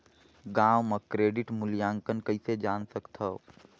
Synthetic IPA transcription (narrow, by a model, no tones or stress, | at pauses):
ɡãːwməkɾeːɖɪʈmʊljaːŋkənkəised͡ʒaːnsəkt̪ʰəo